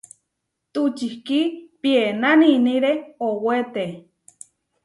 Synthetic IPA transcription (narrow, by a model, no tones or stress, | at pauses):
t̪ut͡ʃihkipienaniniɾeowet̪e